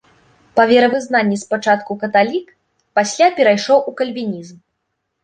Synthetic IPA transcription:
pɐvʲɛɾɐvɨznanʲːispat͡ʂat̪̚kukɐt̪alʲik | pasʲlʲapʲɛɾajʂɔwʔukɐlʲvʲinʲizm

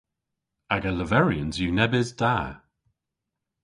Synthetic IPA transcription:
aɡaləvɛɹiənzjuːnɛbɪzda

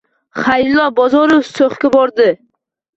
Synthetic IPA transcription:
χajlːɒbɒzɒɾofsoχkʲabɒɾd̪ɪ

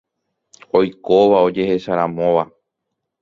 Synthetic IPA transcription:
o̞jkoʋao̞d͡ʒe̞he̞ʃaɾãmõ̞ʋa

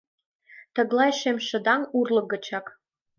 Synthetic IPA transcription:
t̪ə̆ɣlɑjʃemʃə̆d̪ɑŋurlɤ̆ɡə̆t͡ɕɑk

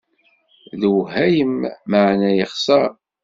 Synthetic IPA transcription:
ðəwɦæjəmːaʕnæjɪχsɑɾ

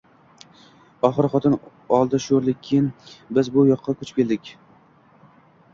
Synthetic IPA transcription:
ɒχɨɾχɒt̪ʰɪn | ɒlˠd̪aʃoɾlɪk̚ʲʰːejɪnbɪzbʊjɒqʰːɑkʰʊt͡ʃpʲkʲe̞ld̪ɪkʲ

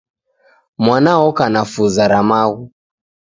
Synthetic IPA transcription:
mwanaɔkanafuzaɾamaɣu

